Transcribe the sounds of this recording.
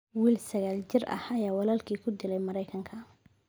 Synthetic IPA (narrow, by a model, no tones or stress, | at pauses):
wiːlsɐɣaːlt͡ʃɪrʔɐ̰hɐjaːwɑlaːlkʰiːkʰʊd̪ɪlɛjmɐɾɛjkʰɐŋkʰɐ